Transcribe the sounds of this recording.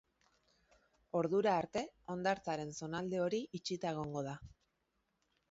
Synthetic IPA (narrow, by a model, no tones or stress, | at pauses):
o̞ɾðuɾaːɾt̪e̞o̞nd̪aɾt͡saɾe̞nso̞nald̪e̞o̞ɾiit͡ʃit̪aeɣ̞o̞ŋɡo̞ð̞a